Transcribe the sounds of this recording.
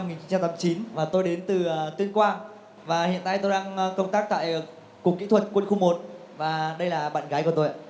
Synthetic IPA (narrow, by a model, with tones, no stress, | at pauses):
m˧ŋi˨˩nt͡ɕi˧˦t͡ɕa˧mt̪aː˨˦t͡ɕi˨˦nvaː˨˩t̪o˧jɗe˨˦nt̪ɨ˨˩t̪i˧ənkwaː˧ | vaː˨˩hḭ˧˨ənt̪a̰ː˧˨t̪o˧jɗaː˧ŋkə˧wŋ͡mt̪aː˦˥k̚t̪a̰ː˧˨j | kʊ˨˩kḭ˧˥t̪ʰwə˨˩t̚kwə˧nxu˧mo˨˩t̚vaː˨˩ɗə˧jlaː˨˩ɓa̰ː˧˨nɣaː˨˦jku˧˩ət̪o˧ja̰ː˧˩˨